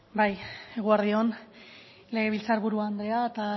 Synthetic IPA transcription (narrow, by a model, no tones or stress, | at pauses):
bajeɣ̞uaɾðio̞n | le̞ɣ̞e̞βilt͡saɾβuɾuand̪ɾe̞aet̪a